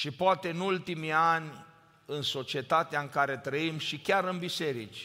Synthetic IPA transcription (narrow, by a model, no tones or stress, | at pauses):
ʃipoat̪e̞ɨnult̪imianʲ | ɨnso̞t͡ʃie̞t̪at̪eaɨŋkaɾe̞t̪ɾəimʃikʲaɾɨnbise̞ɾit͡ʃʲ